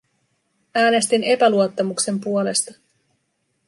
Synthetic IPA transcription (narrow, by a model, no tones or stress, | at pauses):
æːne̞st̪ine̞pæluot̪ːɑmukse̞mpuole̞st̪ɑ